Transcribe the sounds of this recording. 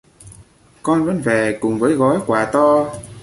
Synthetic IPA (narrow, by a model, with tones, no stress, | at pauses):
kɔ˧nvə̰˧˥nve˨˩kʊ˨˩ŋ͡mvəː˨˦jɣɔ˨˦jkwaː˧˩t̪ɔ˧